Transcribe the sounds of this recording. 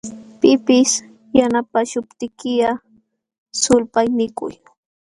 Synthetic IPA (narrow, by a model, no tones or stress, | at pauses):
pɪpɪs | janapaʃʊpt̪ɪkɪja | sʊlpajmɪkʊ̰j